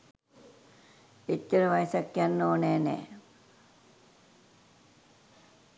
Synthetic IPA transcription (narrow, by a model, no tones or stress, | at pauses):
et̪jəɾəʋajəsakjanːoːnɛːnɛ̰ː